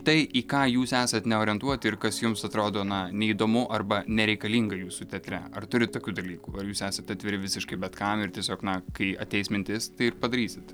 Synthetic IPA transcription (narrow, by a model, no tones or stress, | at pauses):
t̪ɐɪʔiːkɑːjuːsæːsɐt̪nʲɛoːɾʲiɛnt̪uɔt̪ʲɪrkɐsjʊmsɐt̪ɾoːd̪oːnɐnʲɛid̪oːmʊʔɐrbɐnʲɛɾʲɛɪkɐlʲiːŋɡɐjuːsut̪ʲɛt̪ʲɾʲɛ̰ɐrt̪ʊɾʲɪt̪ːoːkʲuːd̪ɐlʲiːkuːɐɾjuːsæːsɐt̪ɑːt̪ʲʋʲɪɾʲɪʋʲɪsʲɪʃkɐɪbʲɛt̪kɐmɪrt̪ʲiɛsʲoːknɐkɐɪɐ̰t̪ʲɛɪsmʲɪnʲt̪ʲɪst̪ɐɪɪrpɐd̪ɐɾʲiːsʲɪt̪